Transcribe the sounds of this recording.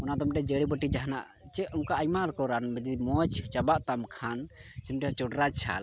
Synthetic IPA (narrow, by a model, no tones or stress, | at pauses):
ɔnad̪ɔmʈɛd͡ʒəɽibɔʈid͡ʒaɦna̰ʔ | t͡ʃɛɔmkaʔajmaɾkɔɾanbɛd̪imɔt͡ʃt͡ʃabaʔt̪amkʰansimʈɛt͡ʃɔɖɾat͡ʃʰa̰l